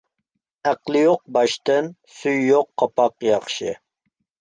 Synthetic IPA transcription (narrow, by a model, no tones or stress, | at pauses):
æqlˠɪjoq̚bɑʃt̪ɨnsyjːoqʰːɑpʰɑqjɑχʃɨ